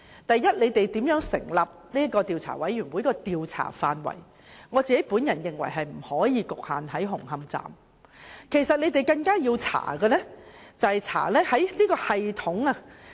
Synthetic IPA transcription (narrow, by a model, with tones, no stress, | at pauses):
t̪ɐ˨jːɐ˥t̚le˨˧jt̪e˨jt̪iː˨˥mjœː˨˥ŋsɪ̰˨˩ŋlɐ˨p̚niː˥ɐ˥kɔː˧t̪iː˨wt͡sʰa̰ː˨˩wɐ˨˥jɥyː˨˩nwuː˨˥jkɔː˧t̪iː˨wt͡sʰa̰ː˨˩faː˨nwɐ̰˨˩j | ŋɔː˨˧t͡siː˨˧ke˨˥jpuː˨˥njɐ˨˩njɪ˨ŋwɐ̰˨˩jɦɐ˨jm̩˨˩hɔː˨˥jiː˨˧kʊ˨k̚haː˨nɦɐ˨˥jɦʊ˨˩ŋhɐ˧mt͡sa̰ː˨m | kʰe˨˩jsɐ˨t̚le˨˧jt̪e˨jkɐ˧ŋkaː˥jiː˧wt͡sʰa̰ː˨˩ɡɐ˧lɛ˥t͡sɐ˨whɐ˨jt͡sʰa̰ː˨˩lɛ˥hɐ˨˥jliː˥kɔː˧hɐ˨jt̪ʰʊ˨˥ŋɐ˧